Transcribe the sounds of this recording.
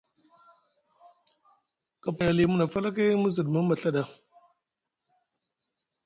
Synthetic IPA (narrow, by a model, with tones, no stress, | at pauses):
ka˨pa˨ja˨li˨mu˦na˨fa˦la˦ke˦mə˦zə˨dmə˦ma˨ɬa˦ɗa˨